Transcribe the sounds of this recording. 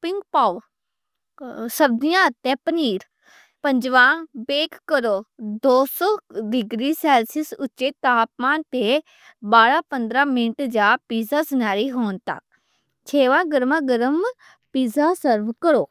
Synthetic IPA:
pɪŋɡpaː | səbd̪ijãt̪ɛ̃pəniːɾ | pə̃ɲd͡ʒʋãːbeːkːəɾoːd̪oːsɔːɖɪɡɾisɛːlsɪsʊt͡ʃːet̪aːpmãːnt̪e | baːɾapə̃nd̪ɾãmɪnʈd͡ʒaːpiːzasɪnaːɾiɦoːnt̪a̰ː | t͡ʃʰeːʋãːɡəɾmãɡəɾəm | piːzasəɾʋkəɾoː

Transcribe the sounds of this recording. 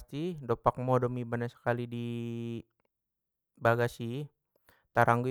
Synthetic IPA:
st̪idopak̚modomibanasə̥kalidi | baɡasi | t̪aɾaŋɡu

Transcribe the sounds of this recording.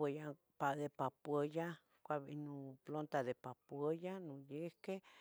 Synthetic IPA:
eja | paɣepapwəja | kʷaβḭnũplont̪aðepapwəjanũjehke

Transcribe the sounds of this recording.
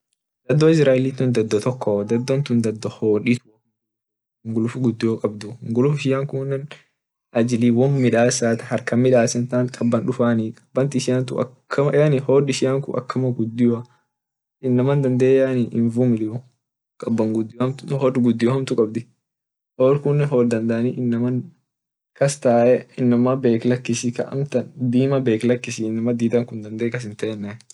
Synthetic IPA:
d̪ɐd̪ːɔɪs̬ɾaːʔɪlit̪ʊnd̪ɐd̪ːɔt̪ɔkʰːɔd̪ɐd̪ːɔnt̪ʊnd̪ɐd̪ːɔhoːᶑit̪ʊ | ŋɡʊlʊfʊɡʊd̪ːɪjɔkʼɐbd̪ʊŋɡʊlʊfɪʃɪjaːŋkʊnːɐn | ɐd͡ʒɪliːwɔnmɪᶑaːsaːt̪ɐ̥hɐɾkɐmɪᶑaːsɛnt̪aːŋkʼɐbːɐnᶑʊfaːnikʼɐ̥b̥ːɐnt̪ɪɪʃɪjant̪̬ʊ̰ɐ̰kʰːɐɐjanɪhoːd̪ɪʃɪjaːŋkʊ̰ʔɐ̰kːɐmɐɡʊd̪ːɪjɐ | ɪnːɐmɐnd̪ɐnd̪eːjaniʔɪnvumɪlɪʊ | kʼɐbːɐŋɡʊd̪ːɪjɐmhoːd̪ɡʊd̪ːɪjʊhɐmt̪ʊkʼɐb̚d̪ɪ | hoːɾkʊnːɛɦɔːld̪ɐnd̪aːniʔɪnːɐmɐn | kɐst̪aːʔɛɪnːɐmɐbe̞ːklɐkːɪsɪkɐ̰ʔɐ̰mt̪ɐnd̪iːmɐbe̞ːklɐkːɪsɪɪnːɐmɐd̪iːt̪ɐŋkʊnd̪ɐnd̪eːkɐs̬ɪnt̪ɛnːɛ

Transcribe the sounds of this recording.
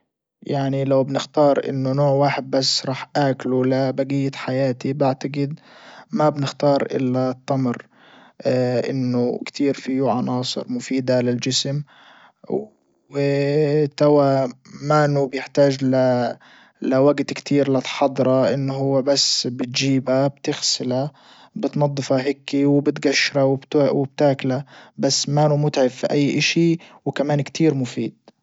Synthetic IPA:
jaʕnilawbnɪxt̪ɑːɾˤʔɪ̰nːʊnoːʕwaːħɪd̪̚basːɾˤɑːħʔaːklulabaɡijːat̪ħajaːt̪ibɪʕt̪aɡɪd̪ | mabnɪxt̪ɑːɾˤʔɪ̰lːat̪ˤːɑmɾ | ʔɪ̰nːʊkt̪ʰiːɾfijʕɑnɑːsˤɨ̰ɾmʊfiːd̪alɪld͡ʒɪsm | wɪt̪awamaːnubjɪħt̪aːd͡ʒla | lɪwaɡt̪kt̪ʰiːɾlɪt̪ħɑd̪ˤɾˤɑʔɪnːɦʊːabasːbɪt̪d͡ʒiːbabt̪ɪxsɪla | bɪt̪nɑd̪ˤːɨfaɦɪkːiwɪbɪt̪ɡaʃːɾawɪbt̪wɪb̚t̪aːklabasːmaːnumʊt̪ʕɪfːiʔajːʔaʃiwkamaːnkt̪ʰiːɾmʊfiːd̪̥̚

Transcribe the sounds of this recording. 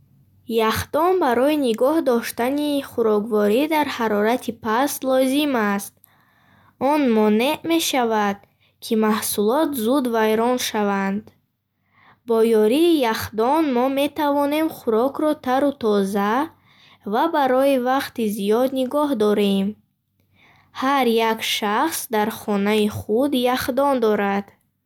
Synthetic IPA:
jaχd̪ɔnbaɾɔiniɡɔhd̪ɔʃt̪aniχuɾɔkvɔɾid̪aɾhaɾɔɾat̪ʰipʰaslɔzimast̪̚ | ɔnmɔne̞ʔme̞ʃavad̪̥̚ | kʰimahsulɔt̪zud̪vajɾɔnʃavand̪ | bɔjɔɾiːjaχd̪ɔnmɔme̞t̪ʰavɔne̞mχuɾɔkʰɾɔt̪ʰaɾut̪ʰɔza | vabaɾɔivaqt̪izijɔd̪niɡɔɦd̪ɔɾem | haɾjakʃaχsd̪aɾχɔnaiχud̪jaχd̪ɔnd̪ɔɾad̪̥

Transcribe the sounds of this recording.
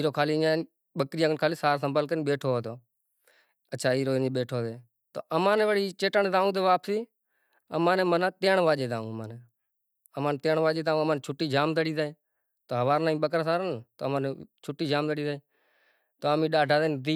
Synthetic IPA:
iːɾoːkʰaːliːaːn | ɓəkɾijãːɡənkʰaːliːsaːɾsəmbəlkəɾiːnɓeːʈʰoːoːt̪oː | ətːʃʰaːiːɾoːniːɓeːʈʰoːt̪eː | t̪o̰ːəmãːnẽːʋəɽiːt͡ʃeːʈəɳːt̪aːũːt̪eːʋaːpsiː | əmãːneːmənãːt̪eːɳʋaːʄeːt̪aːṵ̃ːəmãːneː | əmãːnːt̪eːɳʋaːʄeːt̪aːũːəmãːnːt͡ʃʰʊʈːiːd͡ʒaːmt̪əɽiːt̪aːẽː | t̪oːɦəʋaːɾnaːĩːɓəkɾaːsaːɾənt̪oːəmãːnet͡ʃʰʊʈːiːd͡ʒaːmt̪əɽiːt̪aeː | t̪oːamĩːɗaːɖʱaːd̪eːd̪iː

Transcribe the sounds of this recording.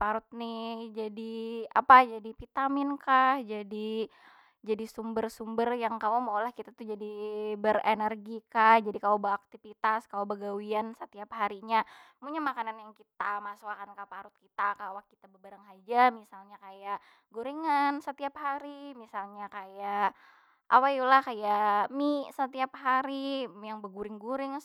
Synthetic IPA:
paɾut̪̚nɪhd͡ʒadia̰pad͡ʒadifit̪amɪnkahd͡ʒadi | d͡ʒadisumbərsumbərjaŋkawamaolahkit̪at̪ud͡ʒadibəɾenɛrɡikahd͡ʒadikaabəak̚t̪ifit̪askaabəɡawiansət̪iaphaɾiɲamuɲamakananjaŋkit̪amasuakankapaɾʊt̪̚kit̪akawakːit̪abəbəɾaŋɦad͡ʒamisalɲakajaʔ | ɡuɾiŋansət̪iaphaɾimisalɲakaja | ʔawajulahkajaʔmisət̪iapɦaɾijaŋbəɡuɾɪŋɡuɾɪŋ

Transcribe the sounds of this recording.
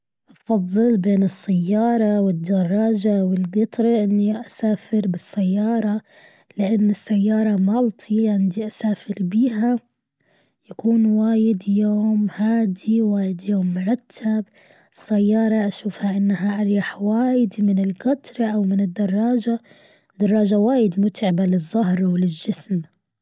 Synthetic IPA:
ʔɑfɑðˤːɨlbeːnɨsːajːɑːɾˤɑwɪd̪ːɑrˤːɑːd͡ʒawɪlɡɑt̪ˤɾˤɑʔɪnːiʔasaːfɪɾbɪsːajːɑːɾˤɑ | lɪʔanːɪsːajːɑːɾˤɑmɑlt̪ˤʰiʕɪnd̪iʔasaːfɪɾbiːɦa | jakuːnwaːjɪd̪joːmhaːd̪iwaːjɪd̪joːmːʊɾˤɑt̪ʰːab | ɪsːajːɑːɾˤɑʔaʃuːfhaʔɪnːaɦaʔaɾˤjaħwaːjɪd̪mɪnɪlɡɑt̪ˤɾˤɑʔawmɪnɪd̪ːɑrˤːɑːd͡ʒa | d̪̥ɑrˤːɑːd͡ʒawaːjɪd̪mʊt̪ʕɪbalɪzˤːɑɦɾwlɪlʒɪsm

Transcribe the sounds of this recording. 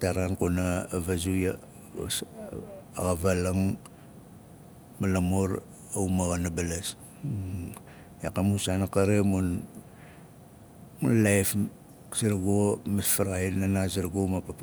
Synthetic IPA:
taɾankonaːvazuja̰ | aɣavalaŋ | malamoɾ | awmaɣanabalas | akamusanakaɾemun | munlajf | siɾɡomasfaɾajanasiɾɡomapap

